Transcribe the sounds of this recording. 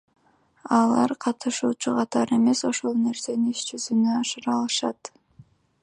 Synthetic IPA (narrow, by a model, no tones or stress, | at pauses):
ɑlˠɑɾqʰɑt̪ɯʃuːt͡ʃuqʰɑt̪ɑɾe̞me̞so̞ʃo̞lˠne̞ɾse̞niiʃd͡ʒyzynøɑʃɯɾɑlˠɯʃɑt̪